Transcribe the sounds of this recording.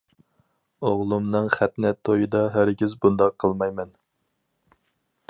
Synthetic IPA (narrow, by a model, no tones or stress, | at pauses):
oʁlˠumnɨŋχæt̪nɛt̪ʰːojɨd̪ɑɦæɾɡʲizbund̪ɑqʰːəlˠmɑjmɛn